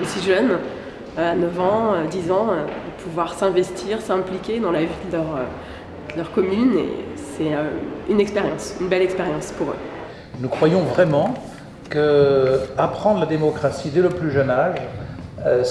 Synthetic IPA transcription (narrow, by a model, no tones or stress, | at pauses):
esiʒœn | anœvɑ̃ød̪izɑ̃øpʰuvwaʁsɛ̃vɛst̪ʰiʁsɛ̃plikʲed̪ɑ̃lavid̪əlœʁø | d̪̥əlœʁkɔmynḛsɛøynɛkspeʁjɑ̃synbɛlɛkspeʁjɑ̃spuʁø̰ | nukχwajɔ̃vʁɛmɑ̃ | kə | apχɑ̃d̪ʁlad̪emɔkχasid̪ɛləplyʒənaʒ